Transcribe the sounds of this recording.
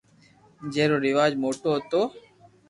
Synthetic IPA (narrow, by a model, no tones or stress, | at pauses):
d͡ʒeːɾoːɾɪʋaːd͡ʒmoːʈoːɦət̪oː